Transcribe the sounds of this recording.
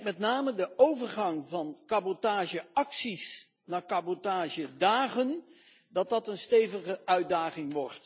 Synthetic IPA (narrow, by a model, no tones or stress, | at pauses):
mɛtnaːmədəowvəɹχɑŋvɑnkɑbotaːʒəɑksis | naːkɑbotaːʒədaːχən | dɑtdɑtənstejvəχəœɥ̚daːχɪŋʋɔɹt